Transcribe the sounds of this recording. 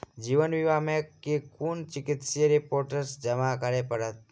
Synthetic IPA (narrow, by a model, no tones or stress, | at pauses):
d͡ʒiʋənʋiʋamekekunt͡ʃɪkɪt̪siɾipoɾʈəɾsd͡ʒəmakəɾepəɽət̪̚